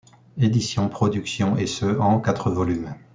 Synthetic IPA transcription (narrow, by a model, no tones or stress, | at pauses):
ed̪isjɔ̃pχɔd̪yksjɔ̃esøɑ̃kat̪χəvɔlym